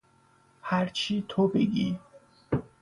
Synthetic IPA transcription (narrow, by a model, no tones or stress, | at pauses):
hæɾt͡ʃʰiːt̪ʰobḛɡiː